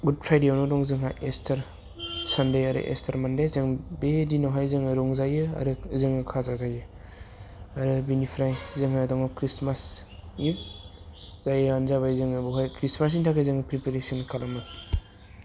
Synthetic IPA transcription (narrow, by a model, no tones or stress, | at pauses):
ɡud̚pʰɾajdeawnodɔŋzɯŋɦajestʰɐɾ | sandajaɾɯ̰ʔḛstʰaɾmandezɯŋbedinɔɦajzɯŋɯɾɔŋzajɯa̰ɾɯzɯŋɯkʰazazajɯ | aɾɯbinipʰɾajzɯŋɦadɔŋɔkɾismasip̚ | zajɯanzaβajzɯŋɯbɔɦajkɾismas̬intʰakʰɯzɯŋɯpɾipeɾesɔnkʰalamɯ